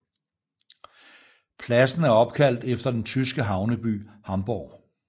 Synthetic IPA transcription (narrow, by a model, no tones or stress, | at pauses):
pʰlæsn̩æɐɒ̽b̥̚kʰæl̰d̥efd̥ɐd̥ent͡sʰysɡ̥əɦɑ̈ʊnəb̥y̰ːhɑ̈mb̥ɒ̰ː